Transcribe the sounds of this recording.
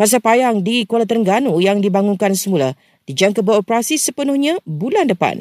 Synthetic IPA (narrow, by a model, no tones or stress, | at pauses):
kas̬apajaŋdikolat̪əɾəŋɡanujaŋdibaŋuŋkansəmula | d̥id͡ʒaŋkabəopəɾasisəpənʊhɲãbulandəpa̰n